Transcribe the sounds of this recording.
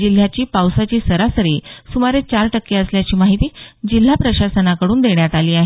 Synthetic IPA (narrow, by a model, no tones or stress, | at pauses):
d͡ʑil̤ːjat͡ɕiːpawsat͡ɕiːsəɾasəɾiːsumaɾet͡ɕaɾʈəkːeəsljat͡ɕiːmaɦit̪iːd͡ʑil̤ːapɾəɕasənakəɽuːnd̪eɳjat̪aliːaɦe